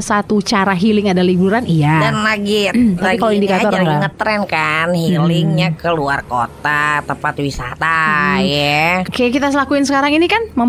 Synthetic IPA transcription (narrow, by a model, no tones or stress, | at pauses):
sat̪ut͡ʃaɾaɦilɪŋadalibuɾanijadanlaɡit̪apikaloindikat̪ɔɾaŋət̪ːɾɛnkanhilɪŋɲakəluarkot̪at̪əmpat̪wisa̰t̪ajɛkajakit̪as̬əlakuɪnsəkaɾaŋinikanməm